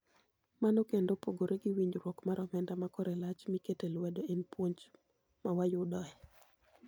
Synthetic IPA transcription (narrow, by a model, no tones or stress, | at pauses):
manokendopoɡoɾeɡiwiɲd͡ʒɾwɔkmaɾɔmɛndamakɔɾɛlat͡ʃmiketelwɛdoenpwoɲd͡ʒ | mawajʊdɔɛ